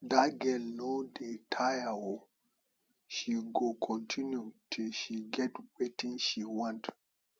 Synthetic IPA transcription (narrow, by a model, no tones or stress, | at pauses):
daɡɛlnodetʰajao | ʃiɡokʰɔ̃ntʰĩnjutʰiʃiɡɛtwetĩnʃiwɔ̃nt